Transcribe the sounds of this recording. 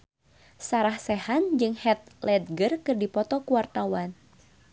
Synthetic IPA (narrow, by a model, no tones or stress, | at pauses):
saɾahsɛhand͡ʒɨŋhɛt̪̚lɛd̪̚ɡərkɨrdipɔt̪ɔkuwart̪awan